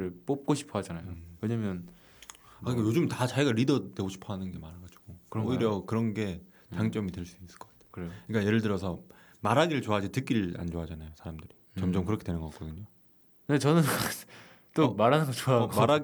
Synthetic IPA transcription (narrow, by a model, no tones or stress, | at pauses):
ɾɯɭp͈op̚k͈oɕʰi̥pʰʌɦad͡ʑanajoweɲamjʌn | akɯnk͈ajod͡ʑumtat͡ɕaiɡaɾidʌneɡoɕʰi̥pʰʌɦanɯnɡe̞maɾɯɭɡad͡ʑuɡ̥okɯɾoiɾjʌkɯɾʌnɡe̞ | t͡ɕaŋt͡ɕ͈ʌmitweɭs͈u̥is͈ɯɭk͈ʌkatʰe̥kɯɾɯɲk͈aje̞ɾɯɭt̬ɯɾʌsʰʌ | maɾaɡiɾɯɭt͡ɕoad͡ʑitɯk͈iɾɯa̰nd͡ʑoɦad͡ʑanajosʰaɾamdɯɾi | t͡ɕʌmd͡ʑʌmkɯɾʌkʰedwe̞nɯnŋɡʌkak͈odɯɲo | ne̞t͡ɕʌnɯn | t͈omaɾɦanɯɡʌt͡ɕoamaɾa